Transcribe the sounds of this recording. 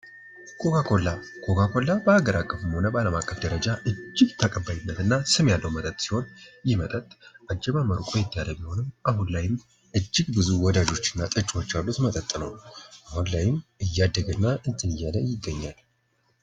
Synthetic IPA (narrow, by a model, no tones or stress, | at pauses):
kʰo̞kakʰo̞lːakʰo̞kʰakʰo̞lːabəhaɡəɾʔakʼːəfɨmho̞nəbəaləmakʼːəfd̪əɾəd͡ʒaʔɨd͡ʒːɪɡt̪ʰəkʼəbːajɪnːət̪ɨnːasɨmjalːəwmət̪ʼət̪ʼsi̥ho̞njɪmət̪ʼət̪ʼʔad͡ʒɛmaməɾkʼojɛt̪ʰːəjaləmiho̞nɨmʔahunlajɪm | ʔɨd͡ʒːɪɡbɨzuwɔd̪ad͡ʒo̞t͡ʃːɨnːat̪ʼɨt͡ʃʼwo̞t͡ʃːalːut̪mət̪ʼət̪ʼːnə̰wʔahunlajɪmɨjːad̪ːəɡənːaʔɨnt̪ʰɨnɨjaləjɪɡːəɲːal